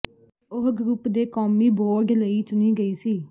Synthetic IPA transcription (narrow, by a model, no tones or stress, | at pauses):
ʊɦɡɾupd̪eːkɔːmiːboːɖləiːt͡ʃʊniːɡəiːsiː